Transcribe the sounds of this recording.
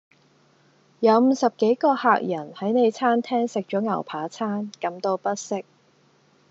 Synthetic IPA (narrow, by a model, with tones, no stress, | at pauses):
jɐ˨˧wm̩ː˨˧sɐ˨p̚ke˨˥jkɔː˧haː˨k̚jɐ˨˩nhɐ˨˥jne˨˧jt͡sʰaː˥nt̪ʰɛː˥ŋsɪ˨k̚t͡ʃɔː˨˥ŋɐ̰˨˩wpʰaː˨˥t͡sʰaː˥nkɐ˨˥mt̪o˧wpɐ˥t̚sɪ˥k̚